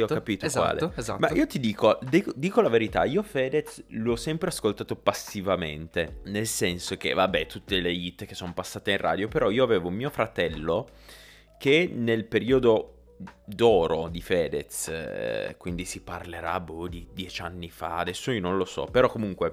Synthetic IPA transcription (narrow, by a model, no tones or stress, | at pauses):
iɔkkapiːt̪okwa̰ːlḛzamaiːot̪id̪iːkod̪ikd̪iːkolaveɾit̪a̰iːofɛːd̪et̪slɔsːɛmpɾeaskolt̪aːt̪opasːivament̪enelsɛnsok̟ḛvabːɛt̪ut̪ːeleit̪ːkesːonopasːaːt̪einrʔa̰ːd̪jopeɾɔiːoaveːvoumiːofɾat̪ɛlːo | kenelpeɾiːod̪o | d̪ɔːɾod̪ifɛːd̪et̪s | kwind̪isiparleɾa̰bud̪id̪jɛt͡ʃanːifa̰ad̪ɛsːoionõnlosɔ̰peɾɔkːomuŋkwe